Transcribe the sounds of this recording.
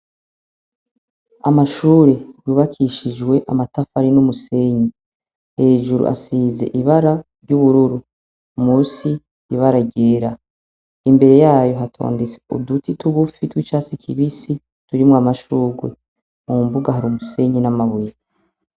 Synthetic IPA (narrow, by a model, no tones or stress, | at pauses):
amaʃuːɾe̞juβakʰiʃid͡ʒɡwe̞ʔamatafaɾinumuse̞ɲi | he̞ːʒuɾṵʔa̰siːze̞̰ʔiβaɾaɾɟuβuɾuɾu | muːsi | iβaɾaɟe̞ːɾa | imbe̞ɾe̞jaːjo̞ɦatʰo̰ːndet͡se̥ṵdutituɡufitwit͡ʃaːt͡sikʰiβisi | tuɾimŋamaʃuːɡwe | mumbuɡaɦaɾumuse̞ɲinamaβuje